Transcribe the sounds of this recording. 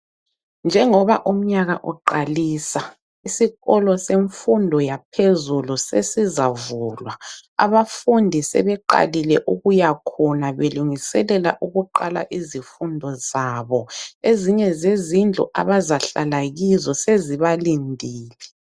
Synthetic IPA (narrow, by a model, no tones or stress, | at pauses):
nd͡ʒʱɛŋɔβaʔum̩ɲaɣa̰ʔɔǃaliːsa | isiɣɔlɔseɱfundʱɔjapʰezulusḛsizavulwaa̰βafundʱisɛ̰βɛǃa̰lilɛʔuɣujakʰɔnaβeluŋisɛlɛla̰ʔuɣuǃala̰ʔizifundʱɔzaβɔeziɲɛzezind͡ɮʱṵʔa̰βazaɬalaɣizɔseziβalindʱiːlɛ